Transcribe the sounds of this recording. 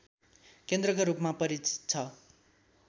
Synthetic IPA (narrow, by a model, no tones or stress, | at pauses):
kend̪rʌkoɾupmapʌɾit͡si̥t̪̚t͡sʰʌ